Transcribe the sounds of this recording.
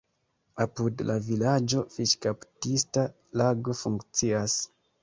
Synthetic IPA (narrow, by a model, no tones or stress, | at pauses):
apudlʔavilad͡ʒo̞fiʃkaptista | laɡo̞fuŋkt͡sias